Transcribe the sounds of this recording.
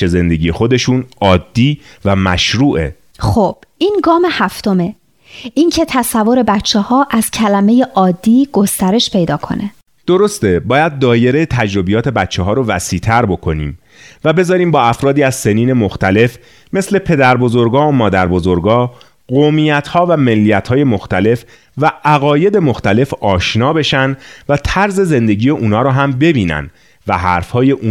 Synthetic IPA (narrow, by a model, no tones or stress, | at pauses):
e̞ze̞nd̪e̞ɡʲiːje̞xo̞d̪e̞ʃuːnɒːd̪ːiːvæmæʃɾuːʔe̞̰ | xob̥ʔiːnɡɒːmehæft̪o̞me̞ | ʔincʰe̞t̪ʰæsævːo̞ɾe̞bætt͡ʃʰːehɒːʔæz̥cʰælæme̞je̞ʔɒːd̪ːiːɡ̥o̞st̪æɾe̞ʃpʰe̞jd̪ɒːkʰo̞̰nʔe | d̪̥oɾo̞st̪ebɒːjæd̪̚ːɒːje̞ɾejet̪ʰæd͡ʒɾo̞bijɒːt̪ʰe̞bæt̪t͡ʃʰːeɦɒːɾovæsiːt̪ʰæɾbo̞kʰo̞niːm | væbe̞zɒːɾiːmbɒːæfɾɒːd̪iːæzse̞niːne̞moxt̪æle̞f | me̞sle̞pʰe̞d̪æɾbo̞zo̞ɾɡɒːomɒːd̪æɾbo̞zo̞ɾɡɒː | ɢomijæt̪ʰhɒːvæme̞lːijæt̪hɒːje̞moxt̪æle̞f | væʔæɣɒːje̞d̪e̞mo̞xt̪æle̞fɒːʃnɒːbe̞ʃænd̪væt̪ʰæɾze̞ze̞nd̪e̞ɟiːjeʔuːnɒːɾɔːɦæmbe̞biːnæ̰nd̪ | væɦæ̰ɾfhɒːje̞ʔuː